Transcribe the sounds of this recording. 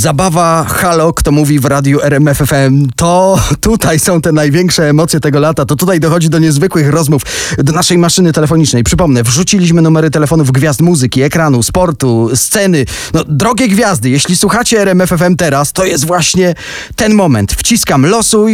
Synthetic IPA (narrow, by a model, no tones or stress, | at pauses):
zabavaxalɔkt̪ɔmuvʲivɾad̪ʲjuʔɛɾɛmɛfɛfɛmt̪ɔt̪ut̪ajsɔ̃w̃t̪ɛnajvʲjɛŋkʂɛːmɔt̪sʲjɛt̪ɛɡɔlat̪at̪ɔt̪ut̪ajd̪ɔxɔd͡ʑid̪ɔɲɛzvɘkwɘxɾɔzmufd̪ɔnaʂɛjmaʂɘnɘt̪ɛlɛfɔɲit͡ʂnɛjpʂɘpɔmnɛvʐut͡ɕilʲiɕ̬mɘnumɛɾɘt̪ɛlɛfɔnuvɡvʲjazt̪muzɘkʲiɛkɾanuspɔɾt̪ust̪sɛnɘ | nɔd̪ɾɔɡʲɛɡvʲjazd̪ɘjɛɕlʲiswuxat͡ɕɛːɾɛmɛfɛfɛmt̪ɛɾast̪ɔjɛst̪vwaɕɲɛ | t̪ɛnmɔmɛ̰nt̪ft͡ɕiskamlɔsu